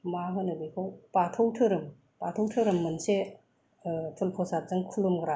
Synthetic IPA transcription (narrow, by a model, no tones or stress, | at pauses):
maɦɯnɯbikʰowpatʰɔwtʰɯɾɯm | patʰɔwtʰɯɾɯmːɯnse | tʰulpʰɔsat͡sɯŋkʰulumɡɾa